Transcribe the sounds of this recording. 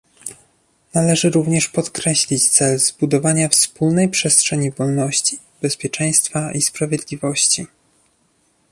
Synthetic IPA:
nalɛʐɘɾuvɲɛʂpɔt̪kɾɛɕlʲit͡ɕt̪sɛlzbud̪ɔvaɲafspulnɛjpʂɛstʂɛɲivɔlnɔɕt͡ɕi | bɛspʲjɛt͡ʂɛ̃j̃st̪faispɾavʲjed̪lʲivɔɕt͡ɕi

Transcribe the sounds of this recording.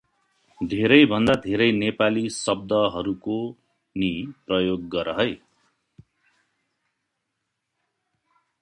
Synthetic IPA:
d̪ʱeɾʌjbʱʌnd̪ad̪ʱeɾʌjnepalisʌb̚d̪ʌɦʌɾuko | niprʌjoɡːʌɾʌɦʌj

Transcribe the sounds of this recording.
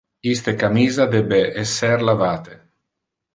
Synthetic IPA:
kist̪ekamiːzad̪ɛbeʔɛsːerlavaːt̪e

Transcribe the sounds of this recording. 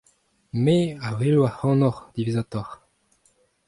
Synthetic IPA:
meavelwahɑ̃nɔʁd̪̥ivizat̪ɔʁ

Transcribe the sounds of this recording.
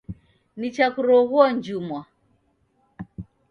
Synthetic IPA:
nit͡ʃakuɾɔɣuɔnd͡ʒumwa

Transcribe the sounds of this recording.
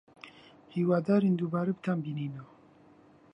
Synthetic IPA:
hiːwaːd̪aːɾend̪uːbaːɾabɨt̪ʰambiniːno

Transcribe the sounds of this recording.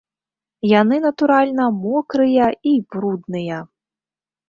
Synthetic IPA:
janɨnɐt̪uɾalʲnɐmɔkɾɨjɐibɾud̪nɨjɐ

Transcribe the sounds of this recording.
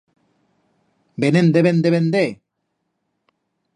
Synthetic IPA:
benend̪eβend̪eβend̪e

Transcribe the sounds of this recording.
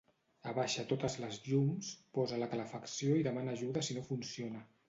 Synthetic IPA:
əβaʃət̪ot̪əzləzʎumspɔzələkələfəksioiðəmanəːʒuðəsinofunsionə

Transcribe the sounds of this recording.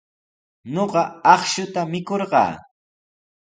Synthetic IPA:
noɢɑɑχʃʊt̪amɪkoɾɢɑ̰ː

